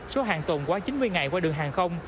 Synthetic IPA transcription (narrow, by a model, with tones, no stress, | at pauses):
so˨˦ɦaː˨˩ŋt̪o˨˩nkwaː˨˦t͡ɕi˨˦nmɨ˧əjŋa˨˩jkwaː˧ɗɨ˨˩əŋɦaː˨˩ŋxə˧wŋ͡m